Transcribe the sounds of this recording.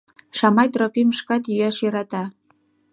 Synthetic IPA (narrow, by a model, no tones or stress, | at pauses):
ʃɑmɑjt̪ropiməʃkɑt̪jyjæʃjøɾɑt̪ɑ